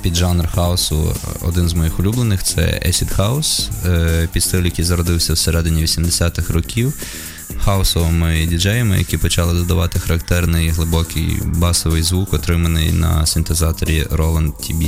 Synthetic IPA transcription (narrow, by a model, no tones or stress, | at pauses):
pʲid̪ʒɑnrxɑɔsʊ̰ɔ̰d̪ɪnzmɔjixʊlʲublˠenɪxt̪sɛ̰ɛ̰sʲid̪xɑɔs | pʲid̪st̪ɪlʲjɐkijzɐɾɔd̪ɪwsʲɐwseɾɛd̪ɪnʲiʋʲisʲimd̪esʲat̪ɪxrɔkʲiw | xɑɔsɔʋɔmɪdʲid͡ʒɛjɐmɪ̰jɐ̰kʲipɔt͡ʃɑlˠɪd̪ɔd̪ɐʋɑt̪ɪxɐɾɐkt̪ɛrnɪjɦlˠɪbɔkɪ̰jbɑsɔʋɪjzʋukɔt̪ɾɪmɐnɪjnɐ̰sʲint̪ezɑt̪ɔɾʲiɾɔlˠɐnd̪t̪ʰʲibʲi